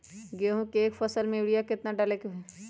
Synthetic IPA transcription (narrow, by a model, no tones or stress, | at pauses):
ɡeɦũkeːkfɐsəlmẽɪɽijakɪt̪naɖalekoɦɛ